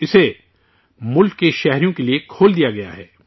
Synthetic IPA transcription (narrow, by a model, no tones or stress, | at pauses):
ɪse | mʊlkːeʃɛɦɾijõkeliekʰoːld̪ijaɡɐja̰ɦɛ̰ː